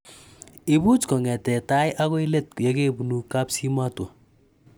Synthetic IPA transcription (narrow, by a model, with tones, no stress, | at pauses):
i˨bu˦tkɔ˨ŋɛ˨tɛ˨ta˦jʔa˦kɔ˦i˦le˦t̚ja˦ke˦bu˨nu˨ka˦psi˦ma˦twɔ˨